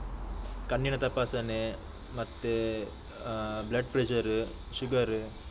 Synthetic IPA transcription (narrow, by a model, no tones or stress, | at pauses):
kɐɳːiɳɐt̪ɐpaːsɐne | mɐt̪ːe | blɐɖ̚pɾed͡ʒɐɾɯ | ʃʊɡɐɾɯ